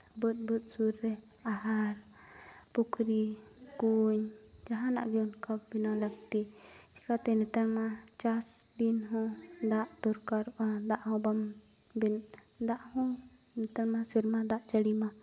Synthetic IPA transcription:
bət̪̚bət̪̚suɾːɛ | aɦaɾ | pukɾi | kuɲ | d͡ʒaɦana̰ʔɡiunkabbinand̪ak̚t̪i | t͡ʃi̥kat̪ɛnit̪amã | t͡ʃas | binɦũd̪aʔt̪uɾkaɾʔad̪aʔhõbam | bin | d̪aʔhũ | nit̪almasiɾmãd̪aʔt͡ʃaɽimã

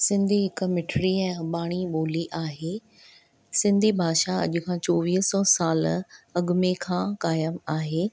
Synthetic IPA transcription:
sɪ̃nd̪ʱiɦɪkmɪʈʰɾiɛ̃ːɓaːɽ̃iɓoːliʔaːɦeː | sɪ̃nd̪ʱibʱaːʃaɐ̰ʄʊ̆kʰãːt͡ɕoːʋiːɦsɔːsaːlɐɠʊmekʰãːkaːjəmaːɦeː

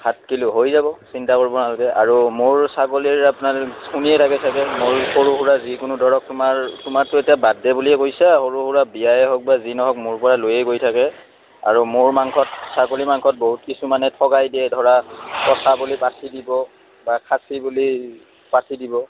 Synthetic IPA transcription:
hat̚kilʊɦojzabɔsintakoɹibɔnalɔkɛʔaɹumʊɹsakoliɹapʊnaluniɛtʰakɛtʰakɛmoɹxoɹuɦuɹazikʊnʊdɔɹɔk̚tʊmaɹtʊmaɹtʊetijabadɛbuliɛkojsaxoɹuhuɹabijajɛɦɔk̚bazinɔɦɔkmʊɹpɔɹalojɛkojtʰakɛ | a̰ɹumʊɹmaŋkʰɔt̚sakolimaŋkʰɔt̚boɦut̚kisumanɛtʰɔkajdiɛdʱɔɹakɔsʰabulipatʰidibɔ | bakʰasibuli | patʰidibɔ

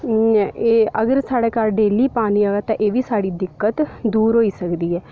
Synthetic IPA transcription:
eːəɡəɾsaːɽeːkalɖeːliːpaːniːaːʋɛːt̪ãʔeːʋiːsaːɽiːd̪ɪkːət̪d̪uːɾɦoːiːsəkd̪iːɛː

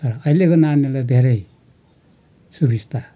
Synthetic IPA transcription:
t̪ʌɾʌʌilekonanelad̪ʱeɾʌj | subʱist̪a

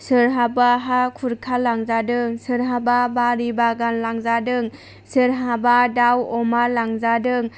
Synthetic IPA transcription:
sɯɾɦabaɦakʰuɾkʰalːaŋzadɯŋsɯɾɦababaɾibaɡanlaŋzadɯŋ | sɯɾɦabadawɔmalaŋzadɯŋ

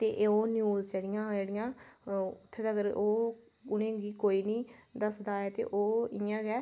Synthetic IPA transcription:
t̪eːʔeːoːnjuːzt͡ʃəɽɪjãːd͡ʒeːɽɪjãːʊt̪ʰːeːd̪əɡəɾoː | ʊnẽːɡiːkoːiːnĩːd̪əsd̪aːɛːt̪ḛːʔoːɪjãːɡɛː

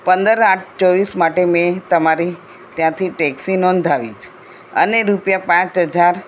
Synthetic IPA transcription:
pənd̪əɾaʈʰt͡ʃɔʋismaʈemẽt̪əmaɾi | t̪jãt̪ʰiʈɛksinɔ̃nd̪ʱaʋḭt͡ʃʰe̥ | ə̰neɾupjapãt͡ʃɦəd͡ʒaɾ

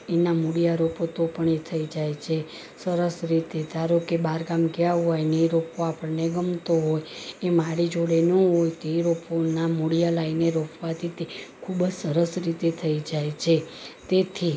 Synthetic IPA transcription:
enamuɽijaɾopot̪opəɳet̪ʰəid͡ʒajt͡ʃʰe | səɾəsɾit̪ed̪aɾokebaɾɡamkjaɦojneɾopoapəɳneɡəmt̪oɦojemaɽid͡ʒoɽenoɦojt̪eɾoponamuɽijalaineɾopʰʋat̪ʰit̪ekʰubəd͡ʒsəɾəsɾit̪et̪ʰəid͡ʒajt͡ʃʰe | t̪et̪ʰi

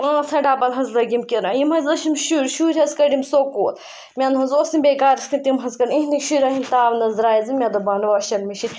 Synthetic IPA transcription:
ãːt͡sʰɐɖaːbɐlɦɐzlɐɡʲimkiɾãːjimɦɐzlɐʃimʃuɾʲʃuːɾʲɦɐzkɐɖimsoːkoːl | mʲɐnɦɐnzoːsimbeːkaːɾisk̪it̪imɦɐzkɐɖĩɦnikʃuɾɐɦimt̪aːʋnɐzɾaːjizimʲɐd̪obɐnʋɐʃɐnmiʃin

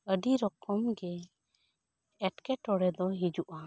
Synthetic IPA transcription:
əɖiɾɔkɔmɡɛ | ɛʈkɛʈɔɽɛd̪ɔɦid͡ʒuʔa

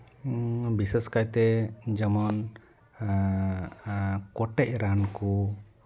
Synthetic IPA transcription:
biseskajt̪ɛd͡ʒəmɔn | kɔʈɛc̚ɾanku

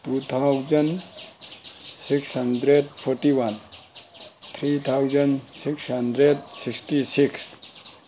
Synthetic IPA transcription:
tut̪ʰawd͡ʒən | sikshəndɾeɖpʰɔɾʈiwan | t̪ʰɾit̪ʰawd͡ʒənsikshəndɾeɖsiksʈisiks

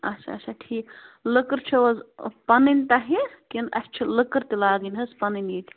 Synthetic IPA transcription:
ɐ̰t͡ʃʰa̰ːt͡ʃʰaʈʰiːklɨkɨɾt͡ʃʰiʋɐzpɐninʲt̪ɐɦikinɐ̰st͡ʃʰilɨkɨɾt̪ilaːɡinʲɦɐspɐninjiːt̪ʲʰi̥

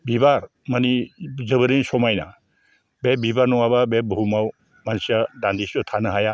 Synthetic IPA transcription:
bibaɾ | manizəbəɾinsɔmajna̰ | bɛbibaɾnɔwababɛbumaw | mansjadand̪isɔt̪ʰanəɦaja

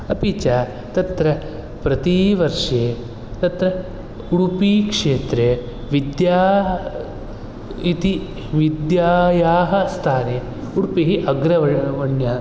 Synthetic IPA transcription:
ɐpit͡ʃaː | t̪ɐt̪ɾɐ | pɾɐt̪iʋɐɾʂeː | t̪ɐt̪ɾɐ | uɽpiːkʂeːt̪ɾeː | ʋid̪jaː | it̪i | ʋid̪jaːjaːɦɐst̪ʰaːneː | uɽpiɦiʔɐɡɾɐʋɐʋɐɳja

